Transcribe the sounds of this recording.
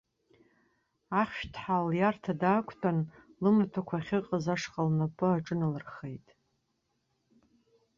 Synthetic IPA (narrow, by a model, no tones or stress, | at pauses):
aχʲʃtʰħaljartʰadaːkʷʰtʰʼanlɨmatʰakʷʰaχʲɪqʼəzaʂqʼalnapʰʼɨaʈ͡ʂʼɨnalɨrχe̞jtʼ